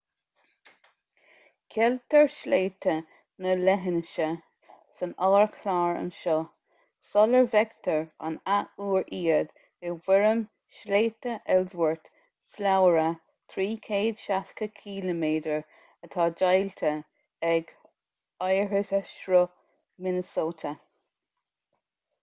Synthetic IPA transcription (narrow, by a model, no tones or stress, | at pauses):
kʰɛlt̪əɹʃleːt̪ʰə | nəlɛɦɪnəʃə | sənɑːɹkʰlaːɹə̰nʃɔ | sɔləɹvɛɡt̪ʰəɹa̰nauːɹʔiːəd̪ | ɡewɪɹəm | ʃleːt̪əʔɛlzwəɹt̪ | slawɹə | t̪ʰɾiːkʰeːd̪̥ʃatkəkʰiːləmeːdəɹ | ət̪ʰɑːd͡ʒajlt̪ʰə | ɛɡ | ajɹətəʃɾɔ | mɪnəsoːt̪ʰə